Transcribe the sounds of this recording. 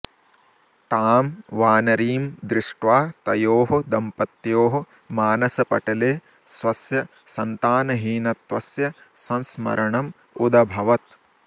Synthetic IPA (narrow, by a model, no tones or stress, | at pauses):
t̪aːmʋaːnɐɾiːmd̪ɾɪʂʈʋaːt̪ɐjoːɦɐd̪ɐmpɐt̪joːɦɐ̆ | maːnɐsɐpɐ̰ʈɐleː | sʋɐsjɐ | sɐnt̪aːnɐɦiːnɐt̪ʋɐsjɐ | sɐ̃nsmɐ̰ɾɐɳɐm | ud̪ɐbʱɐʋɐt̪